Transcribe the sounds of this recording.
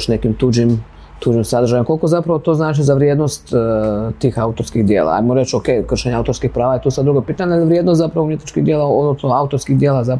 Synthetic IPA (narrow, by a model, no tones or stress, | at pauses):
ʃne̞kimt̪uːd͡ʒim | t̪ud͡ʒimsad̪ɾrʒajemkoliko̞zapɾaʋot̪o̞ːznaːt͡ʃizaʋɾjed̪nost̪t̪ːiːxaut̪oɾskiɣd̪jeːlˠa̰a̰jmoɾet͡ʃoke̞jkr̩ʃeɲeaut̪oɾskixpɾaːʋajet̪uːsad̪ɾuɡopiːt̪aɲealiʋɾjed̪nost̪zapɾaʋoumjet̪nit͡ʃkiɣd̪ʲjeːlˠaod̪nosnoaut̪o̞ɾskid̪jeːlaza